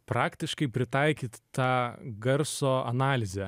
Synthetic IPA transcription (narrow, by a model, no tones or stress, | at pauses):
pɾɑːkt̪ʲɪʃkɐɪpʲɾʲɪt̪ɐɪkʲiːt̪t̪ɑːɡɐɾsoːɐnɑːlʲɪzʲɛ